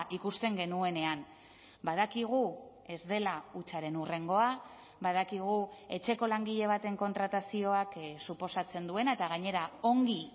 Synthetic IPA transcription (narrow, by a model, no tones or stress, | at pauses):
ʔikust̪e̞ŋɡe̞nue̞ne̞an | baðakiɣ̞u | e̞zd̪e̞laut͡ʃaɾe̞nure̞ŋɡo̞a | bað̞akiɣ̞ue̞t͡ʃe̞ko̞laŋɡiʎe̞β̞at̪e̞ŋko̞nt̪ɾat̪asio̞aksupo̞sat͡se̞nd̪ue̞naet̪aɣ̞aɲe̞ɾao̞ŋɡi